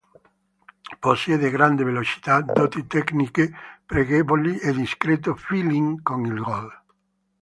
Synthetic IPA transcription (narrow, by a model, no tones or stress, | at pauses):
posjed̪eɡɾand̪evelot͡ʃi̥t̪ad̪ot̪it̪ɛknikepɾeɣebolied̪iskɾet̪̬ofiliŋkoŋilɡɔl